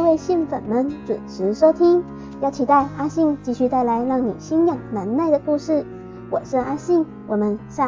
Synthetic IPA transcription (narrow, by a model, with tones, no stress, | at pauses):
we˥˧ɪɕi˥˩nfə˨˩nmə˦˥nʈ͡ʂṵ˨˩nʈ͡ʂʰɻ̩˧˥ʂo˥ʊt̪ʰi˥ŋ | jɑ˥˩ʊt͡ɕʰi˧˥t̪a˥˩ɪa˥ɕi˥˧ŋt͡ɕi˥˧ɕy˥˧t̪a˥˩ɪla˧˥ɪlɑ˥˩ŋnḭ˨˩ɕi˥njɑ˨˩ŋna˧˥nna˥˩ɪd̪ə˩ku˥˧ʂɻ̩˥˩ | wɔ˨˩ʂɻ̩˥˧a˥ɕi˥˩ŋ | wɔ˨˩mə˧˦nɕa˥˩